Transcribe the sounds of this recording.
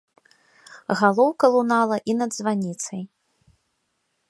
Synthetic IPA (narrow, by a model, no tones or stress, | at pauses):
ɣalˠɔwkɐlˠunalˠɐʔinɐd̪zvanʲit̪sɐj